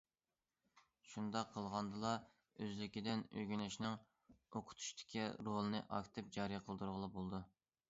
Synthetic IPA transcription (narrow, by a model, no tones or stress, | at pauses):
ʃund̪ɑqʰːəlˠʁɑnd̪ɨlˠɑ | øzlɪkʲid̪ɪnø̰ɡʲynɪʃnɪŋ | oqʰʊ̥t̪ʰu̥ʃt̪ʰɪ̥kʲʰiɾolˠɨnɨʔɑ̰kʲt̪ʰɨp̚d͡ʒɑɾijqʰəlˠd̪uɾʁəlˠɑbolˠd̪u